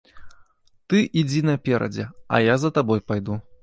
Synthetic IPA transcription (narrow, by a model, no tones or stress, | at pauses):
t̪ɨʔid͡zʲinɐpʲɛɾʔɐ̰d͡zʲɛɐ̰jazɐt̪abɔjpajd̪u